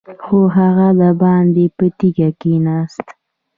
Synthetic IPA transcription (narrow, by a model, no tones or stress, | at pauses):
xoɦaɣad̪abɑnd̪epət̪iɡakenɑst̪